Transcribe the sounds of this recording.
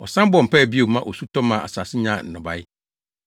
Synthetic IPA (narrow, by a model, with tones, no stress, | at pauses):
ɔ̰˨sã˦m˦bɔ˨m̩˨pʰɛ˦˨bi˦o˨mã˦ʔo˨su˦tʰɔ̃˦mã˨a̰˨sa˨sɪ˦ɲã˨n̩˨nʊ̃˨ba˦jɪ˦